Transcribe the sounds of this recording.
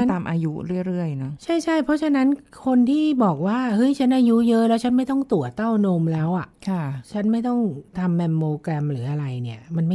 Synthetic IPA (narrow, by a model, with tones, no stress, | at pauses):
t̪aː˧mʔaː˧ju˦˥ɾɯ˥˩əjɾɯ˥˩əjnɔ˦˥t͡ɕʰa˥˩jt͡ɕʰa˥˩jpʰɔ˦˥t͡ɕʰa˧na˦˥nkʰo˧nt̪ʰiː˥˩bɔː˨˩k̚waː˥˩hɤ˦˥jt͡ɕʰa˦˥nʔaː˧ju˦˥jɤ˦˥lɛː˦˥wt͡ɕʰa˦˥nma˥˩jt̪ɔ˥˩ŋt̪u˨˩ət̪ːa˥˩wnoː˧mlɛː˦˥wʔa˨˩kʰa˥˩t͡ɕʰa˦˥nma˥˩jt̪ɔ˥˩ŋt̪ʰa˧mːɛ˧mːoː˧kɾɛ˧mɾɯː˩˦ʔa˧ɾa˧jni˥˩ɐma˧nma˥˩